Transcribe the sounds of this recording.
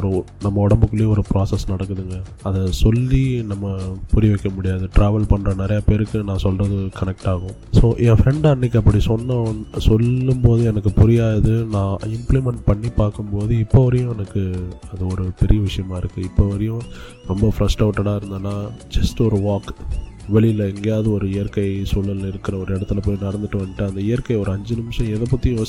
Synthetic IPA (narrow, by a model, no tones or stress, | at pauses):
ɔɾɯnɐmːɐɔɽɐmbɯkːɯɭlejɔɾɯpɾaːsɛsnɐɽɐkːɯðɯŋɡɐ | ɐðɐsɔlːinɐmːɐpʊɾɪʋɛkːɐmʊɽɪjaːðɯʈɾaːʋɐlpɐɳːɾɐnɪɾɐjɐpeːɾɯkːɯnãːsɔlrɐðɯkɐnɛk̚ʈaːɣʊ̃ | soːʔɛ̃ːfɾɛɳɖɐɳːɪkːɯɐpːɐɽisɔnːɐsɔlːɯmpoːðɯɛnɐk̬ːɯpʊɾɪjaːðɐðɯnãːɪmplimɛɳʈ̚pɐɳːipaːɾkɯmpoːðɯɪpːoʋɐɾɐjʊ̃ɛnɐkːɯɐðɯɔɾɯpɛɾɪjɐʋɪʂɐjɐmaːɪɾɯkːɯɪpːoʋɐɾɐjʊ̃ | ɾɔmbɐfɾɐsʈɐʋʈːɐɽaːɪɾɯnd̪anːaːd͡ʒɐsʈɔɾɯʋaːkʋɛɭɪɪlɐɛŋɡejaːðɯɔɾɯɪjɐɾkɐɪsɔlːɐlɪɾɯkːɪɾɐɔɾɯɪɽɐt̪ːɯlɐpoːjnɐɽɐnd̪ɯʈːɯʋɐɳɖɪʈːɯɐnd̪ɐɪjɐɾkɐɪɔɾɯɐɲd͡ʒɯnɪmʂɐ̃ɛðɐpːɐt̪ːɪjʊ̃ʋɐ